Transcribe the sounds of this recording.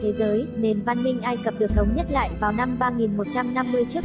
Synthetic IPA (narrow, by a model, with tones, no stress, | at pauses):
t̪ʰe˨˦zəː˨˦jne˨˩nva˧nmï˧ŋ̟ʔaː˧jkə˨˩p̚ɗɨ˨˩ək̚sʰə˨˦wŋ͡mɲə˦˥t̚la̰ː˧˨jvaː˨˩wna˧mɓaː˧ŋi˨˩nmo˨˩t̚t͡ɕa˧mna˧mːɨ˧əjt͡ɕɨ˦˥ə